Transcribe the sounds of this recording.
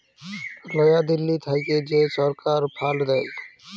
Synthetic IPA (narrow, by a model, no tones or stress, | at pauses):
lɔjad̪ilːit̪ʰajked͡ʒesɔɾkaɾpʰald̪ɛj